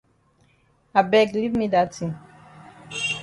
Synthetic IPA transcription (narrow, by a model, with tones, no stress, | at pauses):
a˨bɛ˦ɡli˦vmi˦da˨tʰĩ˨n